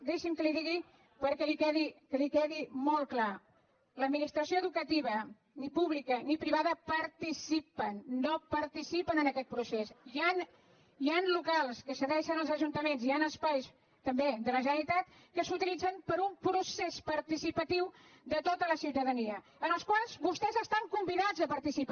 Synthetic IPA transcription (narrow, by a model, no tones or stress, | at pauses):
d̪eʃimkəliðiɣi | pəɾkɛlikɛðikəlikɛðimol̚ˠkla | ləd̪minist̪ɾəsioəðukət̪iβ̞ə | nipuβlikənipɾiβaðəpəɾt̪isipənːopəɾt̪isipənənəkɛt̪̚pɾusesian | ianlukalˠskəsəɣɛʃənəlˠzəʒunt̪əmenzianəspajs | t̪əmbed̪ələʒənəɾit̪at̪ | kəsut̪ilid͡zənpəɾumpɾusespəɾt̪isipət̪iwd̪ət̪ot̪ələsiwt̪əðəniə | ənəlˠskwalˠzβust̪ɛzəst̪aŋkumbiðad͡zəpəɾt̪isip